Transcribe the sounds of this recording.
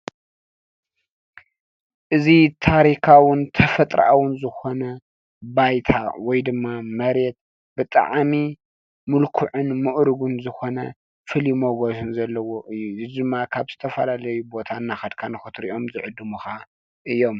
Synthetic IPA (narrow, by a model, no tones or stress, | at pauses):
ʔɨzit̪ʰaɾikʰawʊnt̪ʰɐfɐt̪ʼɾa̰ʔawʊnzɨxo̞nɐ | bajt̪ʰa̰wɔjd̪ɨmːamɐɾet̪̚ | bɨt̪ʼa̰ʕmi | mɨlkʰuʕɨnmɨʔɾɨɡunzɨxo̞nɐ̰ | fɨlimoɡosɨnzɐlːɐwo̞ʔɨjːuzɨd̪ɨmːakʰaβzɨt̪ʰɐfɐlalɐjubo̞t̪ʰanːaxɐd̪kʰanɨxɨt̪ɾiʔo̞mzɨʕɨd̪ːɨmuxa | ʔɨjːo̞m